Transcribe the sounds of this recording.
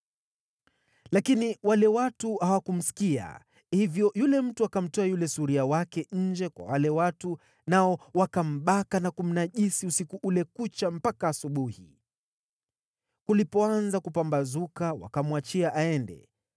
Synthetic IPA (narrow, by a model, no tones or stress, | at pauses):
lakiniwalɛwatuhawakum̩si̥kia̰ | hivjɔjulɛm̩tuakam̩tɔajulɛsuɾiawakɛɲ̩d͡ʒɛkwa̰walɛwatu | naɔwakam̩ɓakanakum̩naʄisiusikuʔulɛkut͡ʃam̩pakaːsuɓuhi | kulipɔanzakupambazukawa̰kamwat͡ʃiaʔaɛndɛ̰